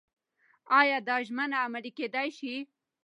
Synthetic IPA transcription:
ɑjɑd̪ɑʒmanaːmaɽiked̪ajʃi

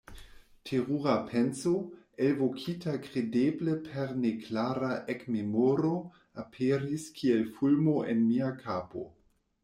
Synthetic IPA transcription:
tʰeʁuʁapʰenso | evokʰitakʁedebləpʰeɾneklaɾaʔekmemoɾo | apʰeɾiskʰielfulmoʔenmiakʰaːpo̰

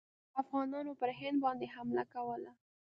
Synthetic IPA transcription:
afɣɑnɑnopəɾhɪnd̪̚bɑnd̪eɦamlakawəla

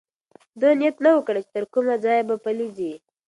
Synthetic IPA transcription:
d̪ənijat̪nawəkɽat͡ʃe̥t̪əɾkumad͡zɑjbapalizi

